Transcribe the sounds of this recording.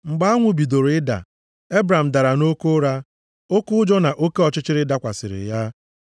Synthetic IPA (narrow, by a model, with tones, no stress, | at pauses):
ŋ͡m̩˨ɡ͡ba˦a˦ŋʷʊ˨bi˨do˨ɾɪ˦da̰˨ | e˦bɾa˨m̩˨da˨ɾa˨no˦ko˦ɾa˦ | o˦kʊ˦ʊ˦d͡ʒɔ˦na˨ʔo˦ke˦ɔ˨t͡ʃɪ˦t͡ʃɪ˦ɾɪ˦da˦kʷa̰˨sɪ̰˨ɾɪ̰˨ja˦